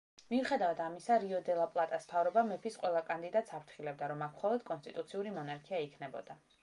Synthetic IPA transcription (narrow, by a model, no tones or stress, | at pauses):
miuχɛd̪avat̪ʰamisaɾiɔd̪ɛlˠapʼlˠat̪ʼasm̥t̪ʰavɾɔbamɛpʰisqʼwɛlˠakʼand̪id̪at̪sʰapʰɾt̪ʰχilɛb̚d̪aɾɔmakʰmχɔlˠɔd̪̥̚kʼɔnst̪ʼit̪ʼut̪sʰiuɾimɔnaɾkʰiaikʰnɛbɔ̰d̪̥a